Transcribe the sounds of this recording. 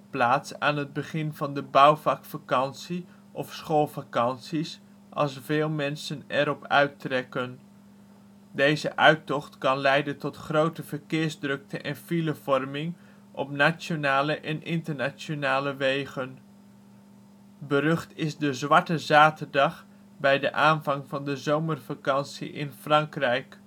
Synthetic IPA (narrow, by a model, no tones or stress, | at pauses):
plaːtsa̰ːnɦəd̚bəχɪnvɑndəbɑwvɑkfakɑnsi | ʔɔfsχolˠvakɑnsis | ʔɑ̰lˠsvɪːlˠmɛnsənɛɾɔpœ̰ɥtrɛkən | dejzə̰ʔœɥtɔχtkɑnlɛjdəntɔtχrowtəv̥əɹkɪːɹzdrɵk̚təʔɛnfiləvɔɹmɪŋ | ʔɔ̰pnaːt͡ʃonaːləʔɛnʔɪntəɹnat͡ʃonaːləʋejχən | bərɵχtɪzdəzʋɑɹtəzaːtəɹdɑχ | bɛjdə̰ʔaːnvɑŋvɑndəzowmərvakɑnsḭʔɪ̰nfrɑŋkrɛjk